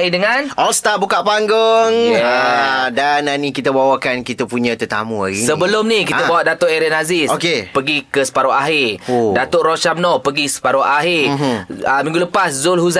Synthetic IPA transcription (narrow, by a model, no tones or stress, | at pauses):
idəŋanʔɔlst̪abukaʔpaŋɡʊŋjadanːanikit̪abawakankit̪apuɲãt̪ət̪a̰mua̰ɡisəbəlʊmnikit̪abawaʔdat̪oʔɛɾɛnazɪsokepəɡikəsə̥paɾoʔaɦɪrdat̪oʔrot͡ʃam̚nɔpəɡisə̥paɾoʔaɦɪrəmiŋɡuləpaszʊlɦuza